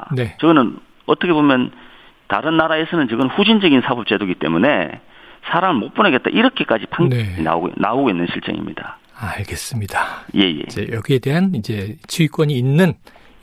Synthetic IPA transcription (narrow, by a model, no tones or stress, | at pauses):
ne̞t͡ɕʌɡɯnɯn | ʌt͈ʰʌkʰebomjʌn | ta̰ɾɯnːaɾae̞sʰʌnɯnt͡ɕɯɡɯnnɸud͡ʑind͡ʑʌɡinsʰabʌp̚t͡ɕ͈edoɡit͈e̞̰munḛ | sʰaɾamɯɭmop͈unaɡe̞t͈̚a̰ʔiɾʌkʰe̞k͈ad͡ʑipaŋne̞na̰ɡonaoɡoinːɯnɕʰiɭt͡ɕ͈ʌ̰ŋḭmɲḭda | aaɭɡe̞s͈ɯmɲid̥aje̞jḛd͡ʑe̞jʌɡie̞de̞ɦanid͡ʑe̞t͡ɕʰuik͈wʌɲiːnːɯn